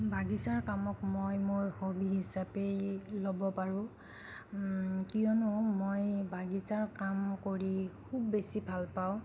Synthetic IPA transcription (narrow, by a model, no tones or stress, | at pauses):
bʱaɡisaɹkamɔkmojmoɹhobʱiɦisapejlobɔpaɹʊ̃ | kijɔnʊmojbʱaɡisaɹkamkoɹikʰubːesibʱalpaw̃